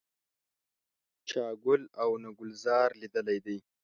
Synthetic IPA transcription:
t͡ʃɑːɡʊlawnaɡʊlzɑːɾlid̪əlajd̪aj

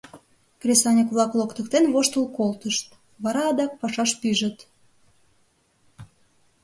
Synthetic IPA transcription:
krʲesɑnʲəkβlˠɑklˠokt̪ə̆kt̪enβoʃt̪əlkolt̪əʃt̪ | βɑɾɑːd̪ɑk̚pɑʃɑʃpyʒə̆t̪

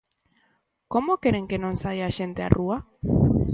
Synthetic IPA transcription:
komokeɾeŋkenõŋsajaʃent̪ea̰rua

